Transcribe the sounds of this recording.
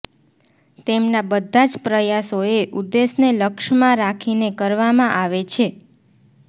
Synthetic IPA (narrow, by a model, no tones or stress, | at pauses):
t̪emnabəd̪ʱːãd͡ʒpɾəjasoeʔud̪ːesneləkʃmãɾakʰinekəɾʋamãʔaʋet͡ʃʰe